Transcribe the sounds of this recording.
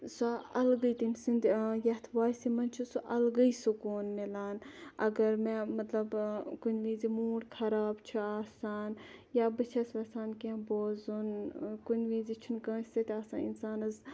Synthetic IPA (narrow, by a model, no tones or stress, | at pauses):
saɐlɡəit̪inʲsind̪ʲjɐt̪ʰʋaːsimɐnt͡ʃʰusuʔɐlɡɐisukoːnmelaːnɐ̰ɡɐɾmemɐt̪lɐbkunʲʋĩːzimuːɽkʰɐɾaːbt͡ʃʰuaːsaːnjaːbɐt͡ʃʰɐsʋʲɐsaːnkẽboːzunkunʲʋĩːzit͡ʃʰunkə̃ːsʲsɐt̪ʲaːsa̰ːḭnsaːnɐz